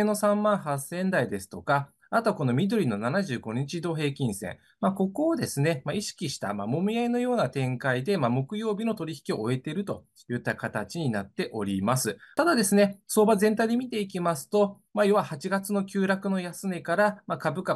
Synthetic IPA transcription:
eno̞sãmːãɰ̃ɦasẽ̞nd̪aid̪e̞sɨ̥t̪o̞kaː | t̪oko̞no̞mʲid̪o̞ɾʲino̞nanaʑɨːɡo̞ɲ̟it͡ɕid̪o̞ːɦe̞ːkʲĩɰ̃sḛ̃ | mako̞ko̞ːd̪e̞sɨne̞maiɕi̥kʲiɕi̥t̪a̰ma̰mo̞miaeno̞jo̞ːnat̪ẽ̞ŋkaid̪e̞mamo̞kɯ̟jo̞ːbʲino̞t̪o̞ɾʲiçi̥kʲio̞oe̞t̪e̞ɾɯ̟t̪o̞̰ | jɯ̟t̪ːakat̪at͡ɕiɲ̟inat̪ːe̞ʔo̞̰ɾʲimasɨt̪ad̪ad̪e̞sɨne̞so̞ːbazẽ̞nt̪aijd̪e̞mʲit̪e̞ik̬ʲimasɨ̥t̪o̞ | majo̞βahat͡ɕiɡat͡sɨno̞kʲɨːɾakɯ̟no̞jasɨme̞kaɾamakabɯ̟ka

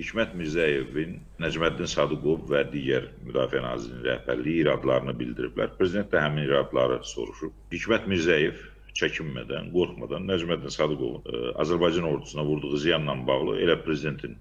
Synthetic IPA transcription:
hicʰmæt̪miɾzæje̞vinːæd͡ʒmæd̪ːinsɑd̪uɡo̞vvæd̪iːɟæɾmyd̪ɑːfiænɑ̰ːziɾininɾæ̰hbæ̰ɾlijiːɾɑːd̪lˠɑɾɯnɯbild̪iɾḭblæ̰ɾpʰɾe̞zid̪e̞nt̪d̪æhæminiɾɑːd̪lˠɑ̰ɾɯso̞̰ɾuʃup̚hicʰmæt̪miɾzæje̞v | t͡ʃʰæcʰimːæ̰d̪æ̰nɡo̞ɾχmɑ̰d̪ɑnːæd͡ʒmæd̪ːinsɑd̪uɡo̞̰vunɑ̰zæɾbɑjd͡ʒɑno̞ɾd̪u̥sunɑvuɾd̪uʁuzijɑnːɑnbɑɣlˠɯ̰ʔe̞̰læpʰɾe̞zid̪e̞nt̪ʰin

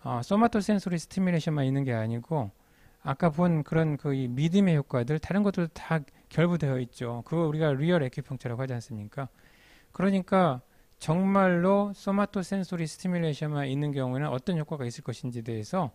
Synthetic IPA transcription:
ʌs͈omatʰos͈e̞nsʰoɾisʰɯ̥tʰimileɕʰʌnmaninːɯnɡe̞aɲiɡo | ak͈aponkɯɾʌnkɯimidɯme̞çjok͈wadɯɭtaɾɯnɡʌt͈ɯɭdota | kjʌɭbudwe̞jʌit̚t͡ɕ͈okɯɡʌuɾiɡaɾiʌɾe̞kʰipʰjʌŋt͡ɕʰaɾaɡohad͡ʑians͈ɯmɲik͈a | kɯɾʌɲik͈a | t͡ɕʌŋmaɭːos͈omatʰos͈ʰe̞nsʰoɾisʰɯ̥tʰimilːeɕʰʌnmaninːɯnkjʌŋue̞nɯnʔʌt͈ʌnçok͈aɡais͈ɯɭk͈ʌɕʰind͡ʑide̞ːsʰʌ

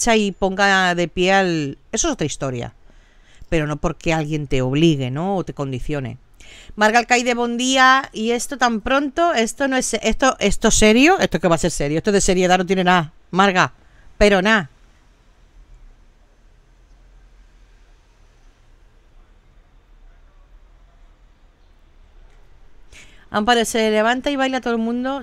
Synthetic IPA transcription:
t͡ʃaipo̞ŋɡaðe̞pjeale̞soeso̞t̪ɾaist̪o̞ɾja̰ | pe̞ɾo̞no̞po̞ɾke̞alɣje̞nt̪e̞o̞β̞liɣe̞no̞ot̪e̞ko̞nd̪iθjo̞ne̞̰ | maɾɣaelkajðe̞β̞o̞nd̪iaie̞st̪ot̪ampɾo̞nt̪o̞e̞st̪onoesest̪oʔe̞st̪o̞se̞ɾjoe̞st̪oke̞βase̞ɾse̞ɾjoest̪oðe̞se̞ɾjeðano̞t̪jene̞na | maɾɣa | pe̞ɾo̞na | a̰mpaðesele̞β̞ant̪aiβajlat̪oðomũnd̪o̞

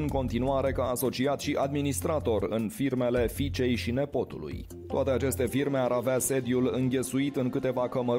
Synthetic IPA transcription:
ɨŋko̞nt̪inuaɾe̞kaːso̞t͡ʃiat̪ʃiʔad̪minist̪ɾat̪o̞rɨ̰nfirme̞le̞fit͡ʃe̞jʃine̞po̞t̪ṵlṵj | t̪oat̪e̞at͡ʃe̞st̪e̞firme̞aɾavease̞d̪ijulɨŋɡʲe̞suit̪ɨŋkɨt̪e̞vakəmə

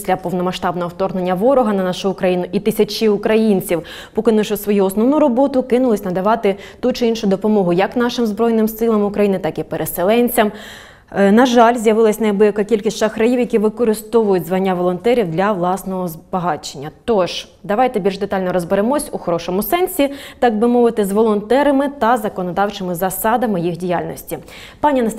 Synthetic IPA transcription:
sʲlʲɐpɔʋnɔmɐʃt̪ɑbnɔɦɔwt̪ɔrne̞nʲːɐʋɔɾɔɦɐnɐnɑʃʊːkɾɐjinʊʔit̪ɪsʲɐt͡ʃɪʊkɾɐjinʲt͡sʲiw | pɔkɪnɪʃɔsʋɔjuɔsnɔʋnʊɾɔbɔt̪ʊkɪnʊlˠɪsʲnɐd̪ɐʋɑt̪ɪ | t̪ut͡ʃɪinʃʊd̪ɔpɔmɔɦʊjɐkn̪ɑʃɪmzbɾɔjnɪmsɪlˠɐmʊkɾɐjinɪt̪ɑkipeɾʔeselˠɛnʲt͡sʲɐm | nɐʒɑlʲzʲjɐʋɪlˠɐsʲnɐjbujɐkɐkʲilʲkʲisʲt͡ʃaxɾɐjiwjɐkʲiʋɪkɔɾɪst̪ɔʋʊjʊtʲzʋɐnʲːaʋɔlˠɔnt̪ɛɾʲiwd̪lʲɐʋlˠɑsnɔɦɔzbɐɦɑt͡ʃenʲːɐt̪ɔʒ | d̪ɐʋɑjt̪ɛbʲilʲʒd̪et̪ɑlʲnɔɾɔzbeɾemɔsʲuxɔɾɔʃɔmʊsɛnʲsʲit̪ɑɡ̚bɪmɔʋɪt̪ɪzʋɔlˠɔnt̪ɛɾɐmɪt̪ɐzɐkɔnɔd̪ɑwt͡ʃɪmɪzɐsɑd̪ɐmɪjixdʲijalʲnɔ̰sʲtʲi | pɑnʲinɐ

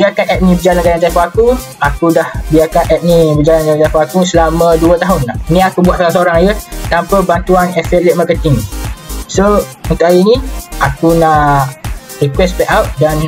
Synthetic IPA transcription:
biakanɛp̚nĩbəd͡ʒalanɡalant̪afɔaku | akudahbiakanʔɛp̚nĩbəd͡ʒalanɡalant̪afɔakusəlamə̃duət̪aɦʊnanĩakubwaʔ̪̚saãs̬oɾaŋjət̪ampəbant̪uanɛfɛt̪lɛʔ̪̚makət̪ɪŋsount̪ʊʔajinĩakunãʔ | rikwɛspɛʔawt̪̚dan

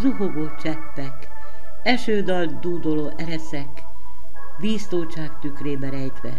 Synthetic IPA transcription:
ruɦoɡot͡ʃɛpːɛk | ɛʃøːd̪ɒld̪uːd̪oloʔɛɾɛsɛk | ʋiːst̪oːt͡ʃaːkt̪ykreːbɛɾɛjt̪ʋɛ̰

